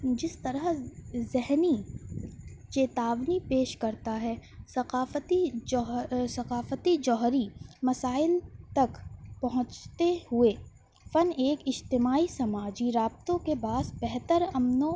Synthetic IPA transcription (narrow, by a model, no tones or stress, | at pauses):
d͡ʒɪst̪ɐɾəɦzɪɦni | t͡ʃeːt̪aːʋnipeːʃkɐɾt̪aɦɛsɐqaːft̪iɦsɐqaːfət̪id͡ʒɔːɦɾimɐsaːɪlt̪ɐkpɐɦʊ̃t͡ʃt̪ehʊe | fɐneːkɪd͡ʒt̪ɪmaːisɐmaːd͡ʒiɾaːbt̪õkebaːsbɛɦt̪əɾɐmnõ